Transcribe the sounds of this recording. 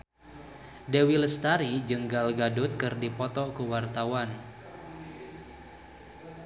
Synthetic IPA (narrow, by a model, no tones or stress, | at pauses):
dewiləst̪aɾid͡ʒɨŋɡalɡadʊt̪̚kɨrdipɔt̪ɔkuwart̪awan